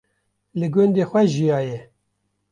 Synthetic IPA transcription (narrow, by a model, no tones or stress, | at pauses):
lɨɡʊnd̪eːxʷɛʒijɑːjɛ